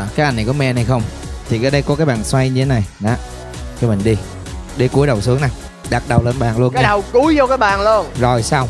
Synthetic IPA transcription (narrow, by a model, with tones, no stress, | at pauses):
kaː˨˦jʔjna˨˩kɔ˨˦mɛ˧na˧jxə˧wŋ͡mt̪ʰi˨˩kːɗə˧jkɔ˨˦kaː˨˦jɓa̰ː˧˨˩nswa˧jɲɨ˧tʰe˨˦na˨˩jna˨˦ | kmï˨˩ŋ̟ɗi˧ | ɗi˧ku˨˦əjɗə˨˩wsɨ˨˦əŋna˨˩j | ɗa˨˩t̚ɗə˨˩wle˧nɓa̰ː˨˩nlu˧ənka˨˧˦ɗə˨˩wku˨˦jzɔ˧kaː˨˦jɓaː˨˩nlu˧ənzo˨˩jsaː˧w